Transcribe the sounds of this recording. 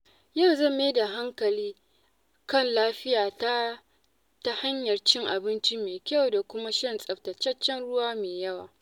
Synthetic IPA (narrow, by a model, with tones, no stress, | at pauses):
ja˦˨wzɐ˦˨mːe˦da˨ɦa˦ŋkɐ˨liː˦ | kɐ˦˨nlaː˦ɸɪ˦jaː˨ta˦ | ta˦ha˦ɲjɐ˨rt͡ʃɪ˦ŋʔa˨bɪ˦nt͡ʃi˦meː˨kʲɐ˦˨wda˨kʷʊ˦ma˦ʃɐ˦nsʼɐ˨btɐ˨t͡ʃɐ˦t͡ʃːɐ˦nɽʊ˦waː˦meː˨jɐ˦wa̰ː˨